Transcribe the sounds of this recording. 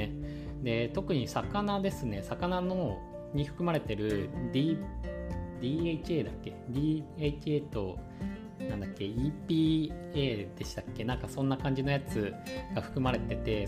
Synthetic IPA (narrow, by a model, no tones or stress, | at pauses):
e | d̪e̞t̪o̞kɯ̟ɲ̟isakanad̪e̞sɨne̞sakanano | ɲ̟iɸɯ̟̥kɯ̟maɾe̞t̪e̞ɾɯ̟d̪ʲi | d̪ʲiːet͡ɕieːd̪akːe̞d̪ʲiːeit͡ɕieːt̪o̞ | nãnd̪akːe̞ipʲiːeːd̪̥e̞ɕi̥t̪akːe̞nãŋkasõ̞nːakãɲ̟d͡ʑino̞jat͡sɨɡ̥aɸɯ̟̥kɯ̟maɾe̞t̪e̞t̪e̞